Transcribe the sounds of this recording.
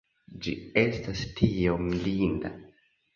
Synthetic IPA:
d͡ʒie̞stastʰiomlinda̰

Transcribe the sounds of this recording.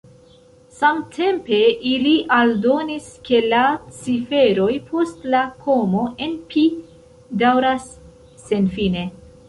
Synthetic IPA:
samtʰe̞mpe̞ʔiliʔaldo̞niske̞lat͡sife̞ɾo̞jpʰo̞stlakʰo̞mo̞ʔe̞npʰi | dawɾasː | e̞nfine̞

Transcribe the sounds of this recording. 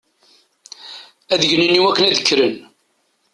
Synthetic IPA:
æðəʝnənːiwækːənæðəkːɾən

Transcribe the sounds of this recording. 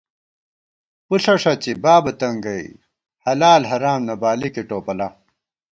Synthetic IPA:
puɬɐʂɐt͡ɕibaːbɐt̪ɐŋɡɐḭ | hɐlaːlɦɐɾaːmnɐbaːlikeʈoːpɐlɐ

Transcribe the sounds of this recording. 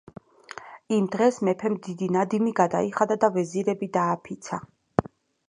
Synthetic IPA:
imd̪ʁɛsmɛpʰɛmd̪id̪inad̪imiɡad̪a̰iχad̪ad̪avɛziɾɛbid̪aːpʰit̪sʰa

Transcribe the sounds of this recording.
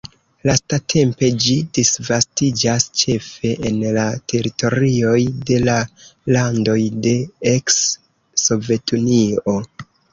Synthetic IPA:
lastatʰe̞mpe̞d͡ʒidisvastid͡ʒast͡ʃe̞fe̞ʔenlatʰe̞ɾitʰo̞ɾio̞jde̞lalando̞jde̞eksː | o̞ve̞tʰunio̞

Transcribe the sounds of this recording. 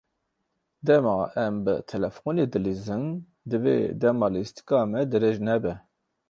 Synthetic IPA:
d̪ɛmɑːʔɛmbɨ̰t̪ʰɛlɛfoneːd̪ɨlizɨn | d̪ɨvḛːd̪ɛmɑːlɨist̪i̥kɑːmɛd̪ɨɾeʒnɛbɛ

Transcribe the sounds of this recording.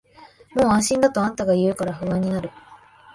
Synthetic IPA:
mo̞ːãɰ̃ɕĩnd̪at̪o̞ãnt̪aɡaijɯ̟ːkaɾaɸɯ̟βãɲ̟ːinaɾɯ̟

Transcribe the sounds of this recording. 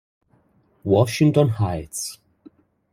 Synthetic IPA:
wɔʃɪ̃ŋtɔ̃nhaɪts

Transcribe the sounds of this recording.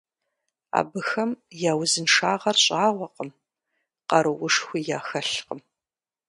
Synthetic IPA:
a̰ːbɨxɐmjaːwzɨnʂaːʁɐrɕʼaːʁʷɔqʼəm | qɐɾɨwʊʂxʷijaːxɐɬqəm

